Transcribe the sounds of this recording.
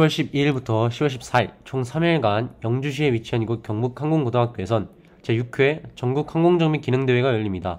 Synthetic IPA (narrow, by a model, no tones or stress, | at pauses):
iwʌɭɕ͈ʰib̚iɭbutʰʌɕʰibwʌɭɕʰi̥p̚s͈ait͡ɕʰoŋsʰamiɭɡanjʌŋd͡ʑuɕʰie̞ɥit͡ɕʰiɦaɲiɡok͈jʌŋbukʰaŋɡoŋɡodaɦak͈joe̞sʰʌn | t͡ɕe̞jukʰet͡ɕʌŋɡukʰaŋɡoŋd͡ʑʌŋmikinɯŋdeweɡajʌʎːimɲida